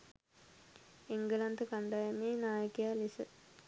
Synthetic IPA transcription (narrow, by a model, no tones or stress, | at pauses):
eŋɡəlant̪əkaɳɖajəmeːnaːjəkijalisə